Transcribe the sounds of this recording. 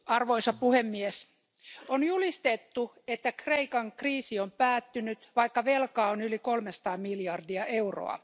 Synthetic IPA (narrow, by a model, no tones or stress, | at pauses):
ɑrʋoisɑpuhemːies | onjulist̪et̪ːu | et̪ːækreikɑŋkriːsiompæːt̪ːynyt̪ʋɑikːɑʋelkɑːonylikolmesɑ̥t̪ɑːmiljɑrdiɑʔeuro̰ɑ̰